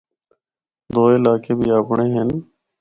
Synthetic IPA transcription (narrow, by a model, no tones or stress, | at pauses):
d̪oːɪlaːkeːbʱiːaːpɳeːɦen